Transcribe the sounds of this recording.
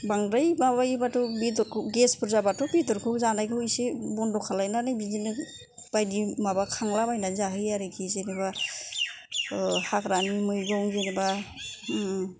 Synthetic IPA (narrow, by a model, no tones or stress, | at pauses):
baŋɾajmabajbatɔbitɔɾkʰɯɡespʰɯɾzabatɔbidɔɾkʰɯzanajkʰɯwisebɔndɔkʰalajnanɯjbizinɯ | b̥ajdimabakʰaŋlabajnazaɦɯjaɾɯkʰizeniba | hakɾanimɯjɡɔŋzeniba